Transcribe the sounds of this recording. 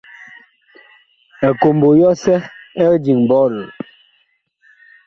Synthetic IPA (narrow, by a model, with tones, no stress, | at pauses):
ɛ˨ko˨mbo˨jɔ˦sɛ˦ɛ˦d͡ʒi˨ŋbɔ˦lo˨